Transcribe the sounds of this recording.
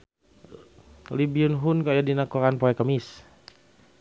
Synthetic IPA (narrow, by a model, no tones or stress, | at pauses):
libiunɦunkajadinakoɾanpoɛkəmis